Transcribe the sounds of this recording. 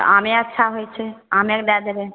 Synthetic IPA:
a̰meətːʃʰaɦojt͡ʃʰeamekd̪ɛd̪be

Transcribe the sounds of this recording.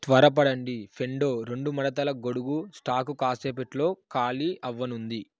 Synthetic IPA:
t̪ʋɐɾɐpɐɽɐɳɖipʰe̞ɳɖo̞ːɾe̞ɳɖumɐɽɐt̪̬ɐlɐɡoɽuɡusʈaːkukaːseːpeʈlo̞ːkaːliʔɐʋːɐnund̪i

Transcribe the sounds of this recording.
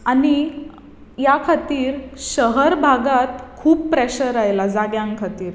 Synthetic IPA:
ani | jakʰat̪iːɾɕəɦəɾbʱaɡat̪kʰuːppːɾɛɕəɾajlad͡zaɡjãŋkʰat̪iːɾ

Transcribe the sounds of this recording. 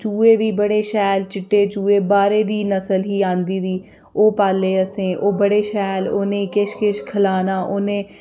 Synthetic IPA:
t͡ʃuːeːʋiːbəɽeːʃɛːlt͡ʃɪʈːeːt͡ʃuːeːbaːɾeːd̪iːnəsəlɦiːãːnd̪iːd̪iː | oːpaːleːəsẽːʔoːbəɽeːʃɛːloːnẽːkɪʃkɪʃkʰəlaːnaːʔoːnẽː

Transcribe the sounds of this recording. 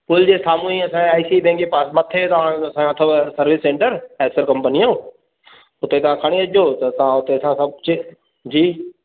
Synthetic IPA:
pʊld͡ʑeːsaːmũːĩɐsãaːisiːbẽːŋkepaːsmɐt̪ʰːet̪ɐɦãːɽ̃ɐsãɐt̪ʰobsɐɾʋɪsːẽːɳʈəɾɛːsəɾkɐ̃mpənijã | ʊt̪et̪ɐ̤ãkʰɐɽ̃iɐʄoːt̪ɐt̪ɐãʊt̪eɐsãsɐbt͡ʃʰi | d͡ʑiː

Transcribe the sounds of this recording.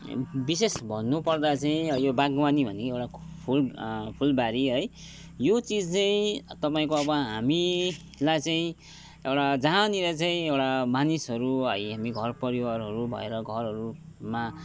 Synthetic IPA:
bisesbʱʌnːupʌrd̪at͡saĩʌjobaɡmanibʱʌnekewʈapʰulpʰulbaɾiɦʌj | jot͡sid͡zt͡saĩt̪ʌpaĩkoʌbʌɦami | lajt͡saĩ | ewʈad͡zaniɾʌt͡saĩewʈamanisɦʌɾuɦʌjɦamiɡʱʌrpʌɾiwarɦʌɾubʱʌ̰ḛɾʌɡʱʌrɦʌɾuma

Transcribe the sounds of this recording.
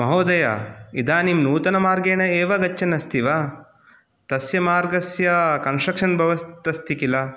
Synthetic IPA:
mɐɦoːd̪ɐja̰id̪aːnimnuːt̪ɐnɐmaːɾɡeːɳɐeːʋɐɡɐt͡ʃːɐnɐst̪ʰiʋa | t̪ɐsjɐmaːɾɡɐsjɐkɐnsʈɾɐkʂɐnbʱɐʋɐst̪ɐst̪ikilɐ

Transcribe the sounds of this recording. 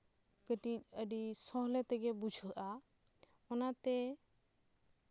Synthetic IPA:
kəʈiəɖisɔ̃ɦlɛt̪ɛɡɛbud͡ʒʰʱʔa | ɔnat̪ɛ

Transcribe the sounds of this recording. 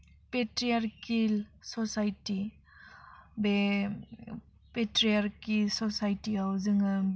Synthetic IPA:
petɾijaɾkilsɔsajti | be | petɾijaɾkisɔsajtiawzɯŋa

